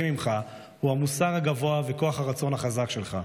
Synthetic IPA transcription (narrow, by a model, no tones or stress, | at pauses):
mimχa | huamusaʁaɡavo̞aveko̞aχhaʁat͡so̞nhaχazakʃe̞lχa